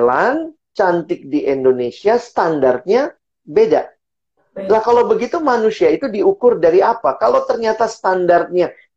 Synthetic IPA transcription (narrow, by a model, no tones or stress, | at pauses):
lan | t͡ʃant̪ɪk̚diʔɛndonesiast̪andart̪̚ɲa | beda̰ʔ | lahkalowbəɡit̪umanusiait̪udiukʊrdaɾiapakalowt̪ərɲat̪ast̪andart̪̚ɲa